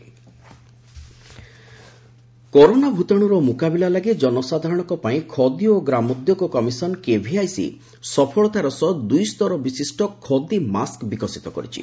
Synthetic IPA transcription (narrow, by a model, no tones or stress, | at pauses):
kɔɾonabʱut̪aɽ̃uɾɔmukabilalaɡed͡ʒɔnɔsad̪ʱaɾɔɽ̃ɔ̃kɔpaĩkʰɔd̪ioɡɾamɔd̪jɔkɔkɔmisɔnkebʱiajsḭ | sɔpʰɔɭɔt̪aɾɔsɔd̪ujst̪ɔɾɔbisisʈɔkʰɔd̪imaskbikɔsit̪ɔkɔ̰ɾḭt͡ʃʰḭ